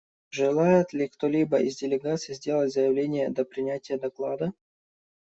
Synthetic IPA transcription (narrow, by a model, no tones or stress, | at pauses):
ʐɨlˠajɪt̪lʲikt̪olʲibəizʲdʲɪlʲɪɡat̪sɨjɪzʲdʲelˠətʲzəjɪvlʲenʲɪjəd̪ɐpɾʲɪnʲætʲɪjəd̪ɐklˠad̪ə